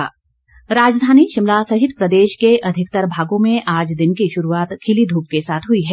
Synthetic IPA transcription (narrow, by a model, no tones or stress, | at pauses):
ɾaːd͡ʒd̪ʱaːniʃɪmlaːsɐɦɪt̪pɾəd̪eːʃkeʔɐd̪ʱɪkt̪əɾbʱaːɡõmẽʔaːd͡ʒd̪ɪnkiʃʊɾuaːt̪kʰɪlid̪ʱuːp̚kesaːt̪ʰɦʊiɦɛ